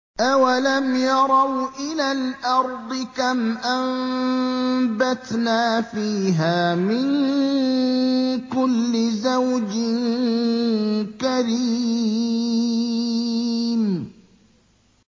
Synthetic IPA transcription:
ʔawalamjɑɾˤɑwʔɪlaːlʔɑɾˤd̪ˤɨkamʔam | bat̪naːfiːɦaːmɪn | kʊlːɪzawd͡ʒɪn | kaɾiː | m

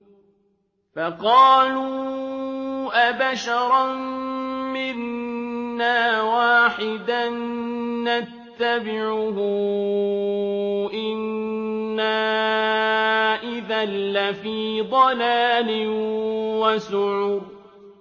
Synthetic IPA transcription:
fɑqɑːluː | ʔabaʃɑɾˤɑ | mɪnː | aːwaːħɪd̪anː | at̪ːabɪʕʊɦʊ | ʔɪnː | aː | ʔɪðalːafiːd̪ˤɑlaːlɪ | wasʊʕuɾ

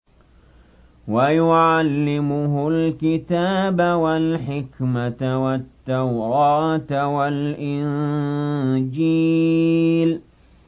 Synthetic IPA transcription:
wajʊʕalːɪmʊɦʊlkɪt̪aːbawalħɪkmat̪wat̪ːawɾɑːt̪walʔɪn | d͡ʒiː | l

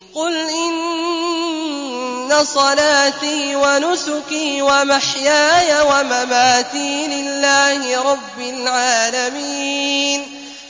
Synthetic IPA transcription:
qʊlʔɪn | asˤɑlaːt̪iːwanʊsʊkiːwamaħjaːjawamamaːt̪iːlɪlːaːhɪɾˤɑbːɪlʕaːlamiːn

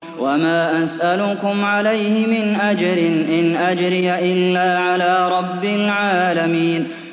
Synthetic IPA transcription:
wamaːʔasʔalʊkʊmʕalajhɪmɪnʔad͡ʒɾɪnʔɪnʔad͡ʒɾɪjaʔɪlːaːʕalaːɾˤɑbːɪlʕaːlamiːn

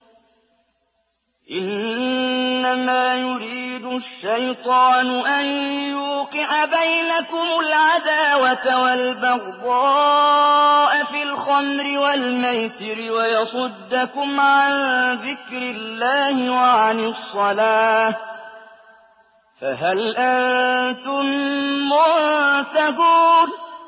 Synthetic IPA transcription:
ʔɪnː | amaːjʊɾiːd̪ʊʃːajt̪ˤɑːnʊʔanjjuːqɪʕabajnakʊmʊlʕad̪aːwat̪awalbɑɣd̪ˤɑː | ʔafilxamɾɪwalmajsɪɾɪwajɑsˤʊd̪ːakʊmʕanðɪkɾɪlːaːhɪwaʕanɪsˤːɑlaː | fa̰ɦalʔant̪ʊmːʊt̪akuːn

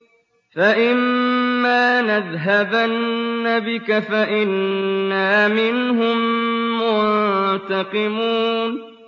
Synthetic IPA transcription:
faʔɪmːaːnaðɦabanːabɪkafaʔɪnːaːmɪnɦʊmːʊt̪ɑqɪmuːn

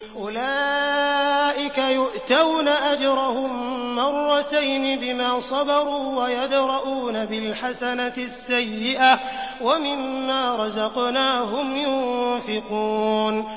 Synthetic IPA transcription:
ʔʊlaː | ʔɪkajʊʔt̪awnaʔad͡ʒɾˤɑhʊmːɑrˤːɑt̪ajnɪbɪmaːsˤɑbɑɾˤuːwajad̪ɾˤɑʔuːnabɪlħasanasːajːɪʔa | wamɪmːaːɾˤɑzɑqnaːɦʊmjʊnfɪquːn

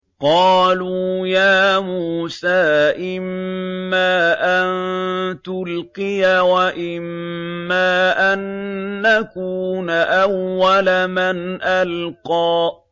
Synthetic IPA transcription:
qɑːluːjaːmuːsaːʔɪmːaːʔant̪ʊlqɪjawaʔɪmːaːʔanːakuːnaʔawːalamanʔalqɑː

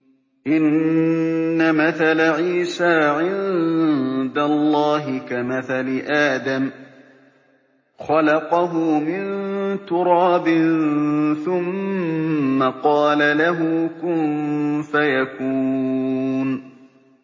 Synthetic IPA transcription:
ʔɪnː | amaθalaʕiːsaːʕɪn | d̪alˤːɑːɦɪkamaθalɪʔaːd̪am | xɑlɑqɑɦʊmɪnt̪ʊɾɑːbɪnnθʊmː | aqɑːlalaɦʊkʊmfajakuː | n

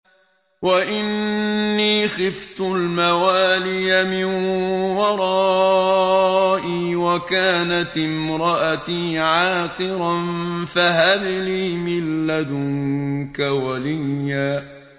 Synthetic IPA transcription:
waʔɪnː | iːxɪft̪ʊllmawaːlɪjamɪnwɑɾˤɑː | ʔiːwakaːnat̪ɪmɾˤɑʔat̪iːʕaːqɨɾanfaɦaðliːmɪlːad̪ʊŋkawalɪjːaː

